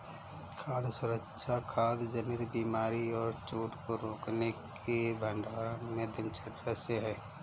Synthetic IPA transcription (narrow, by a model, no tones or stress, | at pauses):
kʰaːd̪ʱsʊɾəkʃʰakʰaːd̪d͡ʒəmɪt̪biːmaːɾiɔːɾt͡ʃuːʈkoɾoːknekʰ | ebʱə̃ɳɖaːɾmẽd̪ɪnt͡ʃʰəʈɾəseɦɛː